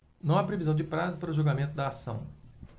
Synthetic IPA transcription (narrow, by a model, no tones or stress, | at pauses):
nɐ̃w̃apɾevizɐ̃w̃d͡ʒɪpɾazɐpaɾʊʒuɡamẽnt̪ʊd̪ɐːsɐ̰̃w̃